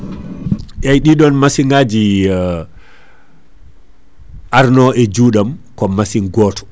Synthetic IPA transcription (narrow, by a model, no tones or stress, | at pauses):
ʔajɗiɗɔnmasiŋɡaːd͡ʒi | ʔaɾnɔɛd͡ʒuːɗamkɔmasinɡɔːtʰɔ̥